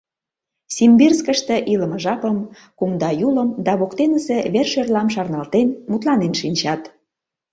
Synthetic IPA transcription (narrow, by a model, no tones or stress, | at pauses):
sʲimbirskə̆ʃt̪ĕʔilə̆məʒɑpəm | kumd̪ɑjuləmd̪ɑβokt̪enəseβerʃørlɑmʃɑrnɑlt̪enmut̪lɑnenʃinʲt͡ɕɑt̪